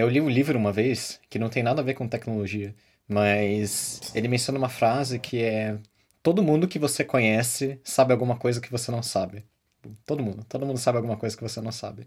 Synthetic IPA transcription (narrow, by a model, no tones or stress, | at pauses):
ewliʊlivɾʊũmɐvejskɪnɐ̃w̃t̪ẽj̃nad̪ɐaveɾkõt̪ɛknoloʒiɐ | mɐselɪmẽsjõnɐumɐfɾazɪkʰɪɛɛ | t̪od̪ʊmũd̪ʊkɪvosekõɲɛsɪsabɪawɡũmɐkojzɐkɪvosenɐ̃w̃sabɪ | t̪od̪ʊmũd̪ʊt̪od̪ʊmũnd̪ʊsabɪawɡũmɐkojzɐkɪvosenɐ̃w̃sa̰bɪ